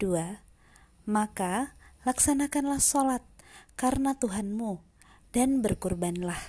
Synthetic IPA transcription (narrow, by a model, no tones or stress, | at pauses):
d̥ua | makalaksanakanlahsolat̪̚kaɾənat̪uɦanmu | d̥anbərkurbanlah